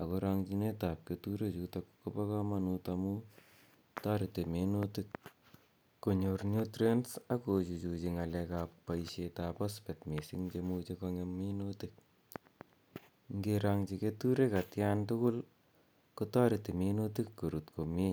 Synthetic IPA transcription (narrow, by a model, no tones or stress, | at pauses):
akoɾaŋt͡ʃinetap̚ketuɾet͡ʃutakkopakamanutamu | taɾitemenotik̚ | koɲoɾnjotɾensakot͡ʃut͡ʃut͡ʃiŋalɛkappaiʃetapaspɛtmesiŋd͡ʒemut͡ʃekɔŋemːenotik̚ | ŋɡeɾaŋt͡ʃiketuɾekatjantʊkʊl | kutaɾitemenotikːoɾutkʰome